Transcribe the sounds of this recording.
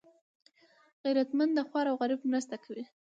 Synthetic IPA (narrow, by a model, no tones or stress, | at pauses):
ɣiɾat̪mand̪d̪əxwɑɾawɣaɾibmɾast̪akʰawi